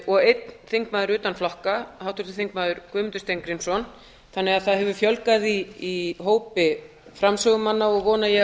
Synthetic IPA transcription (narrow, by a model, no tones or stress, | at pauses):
ɔɣejt̪nθiŋkmaːðʏɾʏːt̪anflɔhkahawt̪ʏɾ̥ɪθiŋkmaːðʏɾkvʏmɪnt̪ʏst̪ejŋkɾinsɔn | θanːɛɣaðθaðhɦɛvʏfjœlkaðiːɦoːwpɪ | fɾamsœːɣʏmanːaɔɣvɔːnajɛ